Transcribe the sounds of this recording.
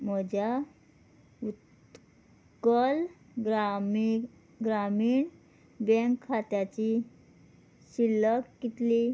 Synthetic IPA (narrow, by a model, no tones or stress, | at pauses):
məd͡ʑa | ut̪ | kəl | ɡɾamiːɳ | bɛŋkʰːat̪jat͡ɕi | ɕiləkːit̪li